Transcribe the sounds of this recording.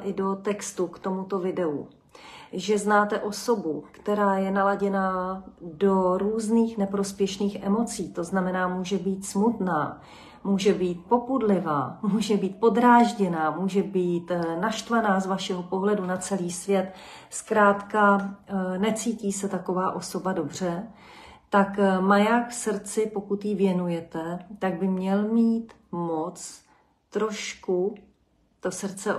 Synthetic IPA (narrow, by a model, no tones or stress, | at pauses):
ʔɪdo̞t̪ɛkst̪ukt̪o̞mut̪o̞vɪdɛṵ | ʒɛznaːt̪ɛʔo̞so̞bukt̪ɛɾaːjɛnalaɟɛnaːdo̞ɾuːzniːxnɛpɾo̞spjɛʃniːxʔɛmo̞t͡siːt̪o̞znamɛnaːmuːʒɛbiːt̪smut̪naː | muːʒɛbiːt̪̚popudlɪvaːmuːʒɛbiːt̪̚po̞d̪ɾaːʒɟɛnaːmuːʒɛbiːt̪naʃt̪vanaːzvaʃɛɦo̞po̞ɦlɛdunat͡sɛliːsvjɛt̪ | skɾaːt̪ka | nɛt͡siːciːsɛt̪ako̞vaːʔo̞so̞bado̞br̝ɛ | t̪akmajakfsrt͡sɪpo̞kut̪jɪvjɛnujɛt̪ɛt̪aɡ̚bɪmɲɛlmiːt̪ | mot͡s | t̪ɾo̞ʃku | t̪o̞srt͡sɛ